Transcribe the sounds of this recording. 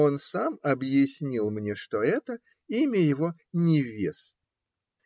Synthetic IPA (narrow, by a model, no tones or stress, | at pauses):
o̞nsamɐbjɪsʲnʲilˠmnʲeʂt̪oɛt̪ə | imʲəjɪvo̞nʲɪvʲḛs